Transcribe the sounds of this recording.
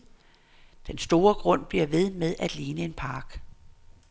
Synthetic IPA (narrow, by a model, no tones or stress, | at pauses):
d̥ensd̥o̝ːɐɡ̥ʁɔ̽n̰b̥liɐʋe̝ð̞ˠmeðˠæd̥liːnəe̝npʰɑ̈ːɡ̥